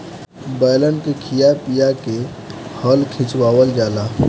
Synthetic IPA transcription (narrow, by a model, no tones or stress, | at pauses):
bəjlənkekʰijapijake | həlkʰɪ̃t͡ʃwaːwəld͡ʒaːlaː